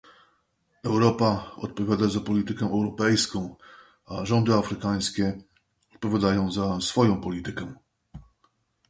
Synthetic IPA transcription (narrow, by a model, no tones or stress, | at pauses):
ɛwɾɔpaɔ̰t̪̚pɔvʲjad̪azapɔlʲit̪ɘkɛʔɛwɾɔpɛjskɔ̃w̃ | aʐɔnd̪ɘafɾɘkaj̃skʲɛ | ɔt̪̚pɔvʲjad̪ajɔ̃w̃zasfɔjɔ̃w̃pɔlʲit̪ɘkɛ